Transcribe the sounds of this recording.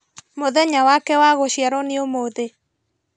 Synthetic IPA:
moðɛɲawakɛwaɣoʃjaɾɔneomoðe

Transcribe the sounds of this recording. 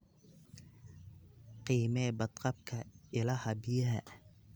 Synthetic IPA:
qiːmɛːbɐd̪qɑb̚kʰɐɪlɐhɐbɪjɐɦɐ̰

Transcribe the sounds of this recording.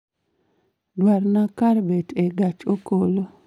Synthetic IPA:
dwaɾnakaɾbɛtʰɛɡat͡ʃokolo

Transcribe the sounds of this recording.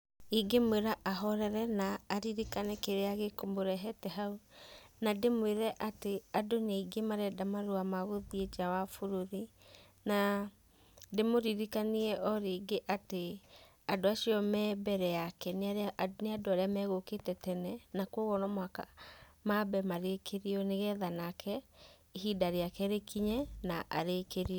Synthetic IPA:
iɡemweɾaʔaɦɔɾɛɾɛnaːɾiɾikanɛkeɾeaɣekomoɾɛɦɛtɛɦaunademweɾɛʔateadoneiɡemaɾɛdamaɾuamaɣoðied͡ʒawafoɾoɾi | na | demoɾiɾikaniɛʔɔɾiːɡeʔate | adoaʃiɔmɛbɛɾɛjakɛneneadoaɾeamɛɣoketɛtɛnɛnakwɔɣɔnɔmwakamabɛmaɾekeɾiɔneɣɛðanakʰɛ | iɦidaɾeakɛɾekʰiɲɛnaʔaɾekeɾiɔ

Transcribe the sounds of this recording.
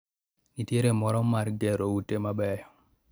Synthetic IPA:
niteɾemɔɾɔmːaɾɡeɾowutːemabɛjɔ

